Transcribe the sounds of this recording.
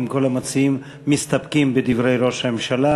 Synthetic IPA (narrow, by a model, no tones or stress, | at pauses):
mko̞lamat͡sijimː | ist̪apkimbed̪ivɾe̞jɾo̞ʃhame̞mʃala